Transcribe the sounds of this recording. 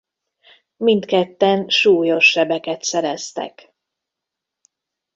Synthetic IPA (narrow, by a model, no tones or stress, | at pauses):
mint̪kɛt̪ːɛnʃuːjo̞ʃːɛbɛkɛt̪sɛɾɛst̪ɛ̰k